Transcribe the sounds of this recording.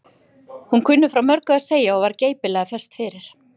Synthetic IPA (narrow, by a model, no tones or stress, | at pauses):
hunkʰʏnːʏfɾawmœɾkʏaðseːjaɔvaɾceːjpɪlɛɣafɛst̪fɪɾɪɾ̥